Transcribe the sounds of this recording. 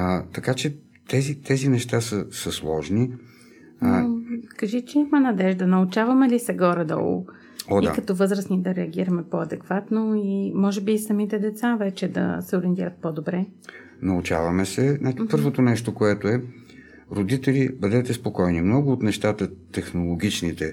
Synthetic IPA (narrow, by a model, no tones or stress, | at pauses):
t̪ɐkat͡ʃɛ | t̪ɛzit̪ɛzinɛʃt̪asəsɐslˠɔ̰ʒni | kɐʒit͡ʃɛimɐnɐd̪ɛʒd̪ɐnɐʊt͡ʃavɐmɛlisɛɡɔɾɛd̪ɔ̰l̰ˠ | ɔdia̰kɐt̪ɔvɤzɾəsnid̪ɐɾɛɐɡ̟iɾɐmɛpoɐd̪ɛkvat̪noimɔʒɛbisɐmit̪ɛd̪ɛt̪savɛt͡ʃɛd̪ɐ̰sɛoɾiɛnt̪iɾɐt̪̚pod̪obɾɛ | nɐʊt͡ʃa̰vɐmɛsɛnapɤɾvot̪onɛʃt̪okoɛt̪oɛ | ɾod̪it̪ɛlibəd̪ɛt̪ɛspokɔjnimnɔɡʊːt̪nɛʃt̪at̪ət̪ɛxnolˠoɡ̟ʲit͡ʃnit̪ɛ